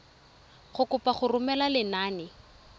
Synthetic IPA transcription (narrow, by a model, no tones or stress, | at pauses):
χʊkʊpaχʊrʊmɛlalɪnaːnɪ